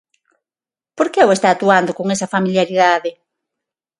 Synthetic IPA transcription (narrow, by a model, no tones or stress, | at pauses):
poɾkeewest̪aːt̪uand̪okoŋɛsɐfamiljaɾiðaðe